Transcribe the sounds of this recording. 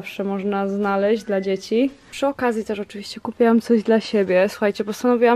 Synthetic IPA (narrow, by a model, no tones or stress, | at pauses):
fʂɛmɔʐnaznalɛʑd͡ʑd̪lad͡ʑet͡ɕipʂɨɔkazʲjit̪ɛʂɔt͡ʂɨvʲiɕt͡ɕɛkupʲjiwamt̪sɔʑd̪laɕebʲjɛsu̥xajt͡ɕɛpɔst̪anɔvʲiwa